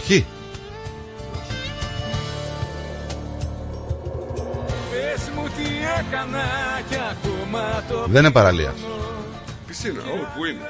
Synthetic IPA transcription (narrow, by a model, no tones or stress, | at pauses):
çi | pezmut̪iekɐnɐceɐkomɐt̪oðenepɐɾɐlḭɐ̰s | pisinɐ̰opuine